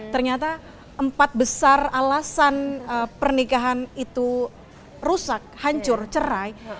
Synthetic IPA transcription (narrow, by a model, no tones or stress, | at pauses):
t̪ərɲat̪a | ʔəmpat̪̚bəsaralasanəpərnikaɦanit̪u | rusak̚haɲt͡ʃʊrt͡ʃəɾaj